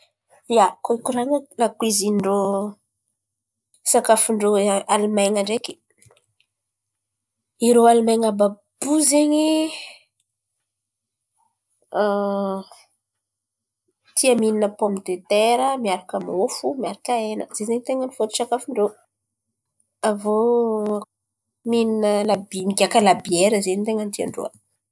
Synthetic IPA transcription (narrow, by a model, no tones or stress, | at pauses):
jakoikuɾaŋəlakwiziɳɖ͡ʐo | sakafuɳɖ͡ʐoalumajŋaɳɖ͡ʐeki̥ | iɾoalumajŋabab̥uzeɲi | a | t̪iəmininəpɔmid̪et̪eɾəmiaɾakamofumiaɾakaenə̰z̥ezeɲit̪eŋənifot̪u̥ʈ͡ʂakafiɳɖ͡ʐo | avo | mininəlabiniɡʲakəlabieɾəzeɲit̪eŋənt̪ia̰ɳɖ͡ʐo̰a̰